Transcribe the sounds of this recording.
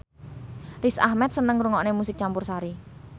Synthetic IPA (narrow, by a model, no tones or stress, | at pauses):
risa̰hmɛt̪̚sənəŋɾuŋɔnemusɪk̚t͡ʃampʊrsaɾi